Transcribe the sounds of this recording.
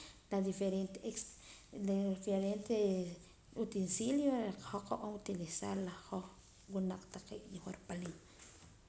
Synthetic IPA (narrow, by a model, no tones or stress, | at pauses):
lad̪ifeɾent̪eeks | ifeɾent̪e | ut̪ensiljoqḁxoqawaŋut̪ilisaɾlahoχ | wunaq͡χt̪aqḭʔd̪ixoɾpalin